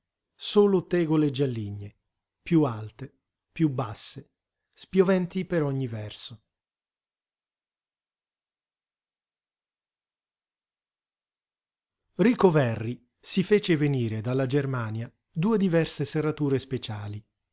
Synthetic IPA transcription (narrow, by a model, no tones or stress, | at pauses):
soːlot̪ɛːɡoled͡ʒalːiɲːe | pjualt̪e | pjubːasːe | spjovɛnt̪ipeɾɔɲːivɛrso | riːkovɛrːi | sifeːt͡ʃeveniːɾed̪alːad͡ʒermaːnja | d̪uːed̪ivɛrseserat̪uːɾespet͡ʃaːli